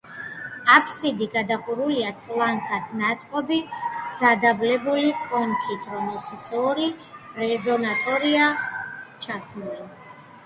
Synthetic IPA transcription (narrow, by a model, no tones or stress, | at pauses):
apʰsid̪iɡad̪aχuɾuliat̪ʰʼlaŋkʰad̪nat̪sʼqʼɔbid̪̥ad̪ablɛbulikʼɔŋkʰit̪ʰɾɔmɛlʃit̪sʰʼɔɾiɾɛzɔnat̪ʼɔɾia | t͡ʃʰasluli